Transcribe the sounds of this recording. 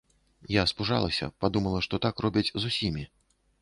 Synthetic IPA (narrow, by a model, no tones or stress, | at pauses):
jaspuʐa̰lˠɐsʲɐ̰pad̪umɐlˠɐʂt̪ɔt̪akrɔbʲit͡sʲzusʲimʲi